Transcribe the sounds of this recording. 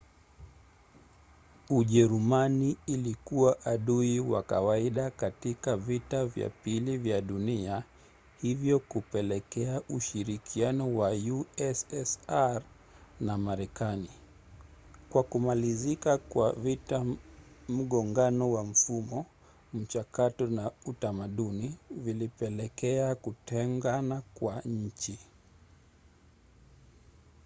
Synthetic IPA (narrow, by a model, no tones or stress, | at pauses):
uʄɛɾumaniːlikuwaʔaɗuiwa̰kawaiɗakatikavitavja̰pilivjaɗunia | hivjɔkupɛlɛkɛaʔuʃiɾikʰianɔwajuɛsɛsaɾ | namaɾɛkani | kwakumalizikakwavita | m̩ɠɔŋɡanɔwam̩fumɔ | m̩t͡ʃakatɔnautamaɗunivilipɛlɛkɛakutɛŋɡanakwaɲ̩t͡ʃi